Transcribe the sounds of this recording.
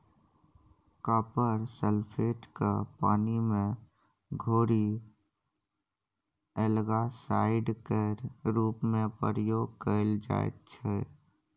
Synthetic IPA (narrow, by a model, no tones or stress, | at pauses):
kaːpəɾsəlpʰeːʈkapa̰ːnimẽ | ɡʱoːɾi | əlɡasaːɪɖkeɾɾuːpmẽpə̰ɾəjoːɡ̚kəɪld͡ʒa̰ːḛtt͡ʃʰɛ